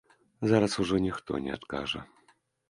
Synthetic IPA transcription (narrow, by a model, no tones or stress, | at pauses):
zaɾɐsuʐɔnʲixt̪ɔ̰nʲɛ̰a̰t̪ka̰ʐɐ̰